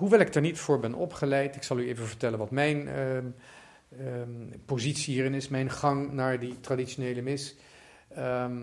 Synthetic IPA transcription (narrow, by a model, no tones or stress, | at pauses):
ɦuʋɛlˠɪɡ̚dɛɹnitfʊːɹbɛnʔɔ̰pχəlɛjtɪksɑlˠyejvənvəɹtɛlənʋɑtmɛjn | pozitsiɦiːɾɪnɪsmɛjnχɑŋnaːɹditradiʃonejləmɪs | m